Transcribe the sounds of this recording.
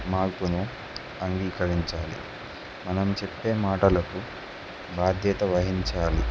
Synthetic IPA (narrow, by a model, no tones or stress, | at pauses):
maːɾpunu | ɐŋɡiːkɐɾiɲt͡ʃaːlḭ | mɐnɐmt͡ʃepːe̞ːmaːʈɐlɐku | baːd̪ʱjɛːt̪ɐʋɐɦiɲt͡ʃaːlḭ